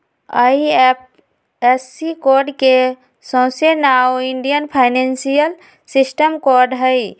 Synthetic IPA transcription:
a̰ip | ɛsːikoːɾɖke | sɔ̃ːsenaoɪ̃ɳɖijənpʰaːɪnẽnsijəl | sɪsʈəmkɔːɾɖɦəi

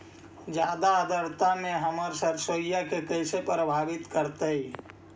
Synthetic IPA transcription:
d͡ʒad̪aəd̪əɾt̪ameɦəməɾsəɾsojakekəsepɾəbʱabit̪kəɾt̪əj

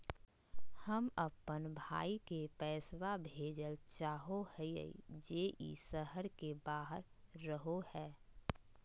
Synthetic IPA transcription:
həməpːənbʱa̰ːikepɛːswabʱeːd͡ʒəlt͡ʃaːɦohəiə̰ḭd͡ʒeːʔḭsəɦəɾkebaːɦəɾː | əɦohɛː

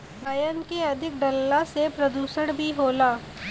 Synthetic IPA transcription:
ɾɐjənkeɐd̪ʱɪk̚ɖɐlːasepɾɐd̪uːsəɽbʱiɦoːlaː

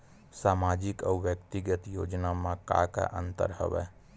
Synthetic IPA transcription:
saːmaːd͡ʒɪkɔːʋjəkt̪ɪɡət̪jo̰ːd͡ʒnamãka̰ːka̰ʔə̰̃nt̪ə̰ɾhə̰ʋɛ̰ː

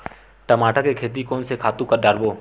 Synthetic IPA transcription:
ʈəmaːʈakekʰeːt̪̬ikoːnsekʰaːt̪ũkəɖʱəɾboː

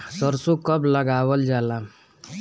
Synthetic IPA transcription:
səɾsukəbləɡaːwəld͡ʒaːla

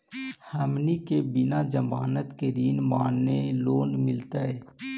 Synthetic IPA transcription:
həmnikebɪnad͡ʒəmaːnət̪ked̪iːnmaːnːeloːnmɪlt̪aɛː

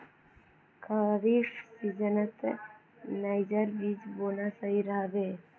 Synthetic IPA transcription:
kʰaːɾiːʂsid͡ʒənət̪ | najd͡ʒəɾbiːd͡ʒboːnasəɦiɾəɦbeː

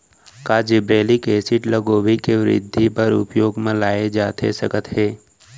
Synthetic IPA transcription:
kaːd͡ʒɪbɾeːlikeːsɪʈləɡoːʋikeʋɾɪ̰d̪ʱːipəɾʊ̰pjoːɡmẽlaːed͡ʒaːt̪ʰḛsəkət̪ɦeː

